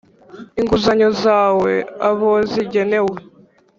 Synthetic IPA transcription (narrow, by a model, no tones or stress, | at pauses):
iŋɡuzaɲozaːwe̞̰aβoziɟe̞ne̞we